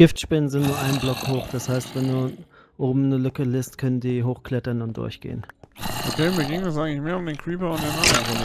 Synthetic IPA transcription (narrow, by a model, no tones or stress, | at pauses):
ɡ̥ɪftʃpɛənzɪntnuːɐʔaɪnblɔkhoːxd̥ashaɪstv̥ɛnduːɐʔoːbm̩nəlʏkəlɪːstkʰœnəndiːɦoːxkl̥ɛtɐnʊntd̥ʊ̰ɐçɡ̥ḛːənʔokʰeːmiːɐɡɪŋɛs̬ʔaɪɡŋ̩lɪçmeːɐʊmdeːnkʰɹ̥iːpɐʊntd̥eːnʔadɐvo